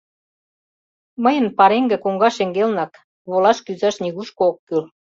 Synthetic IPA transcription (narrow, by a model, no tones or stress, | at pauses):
məjə̆npɑɾeŋɡĕkuŋɡɑʃeŋɡelnɑk | βolɑʃkyzɑʃniɣuʃkookːyl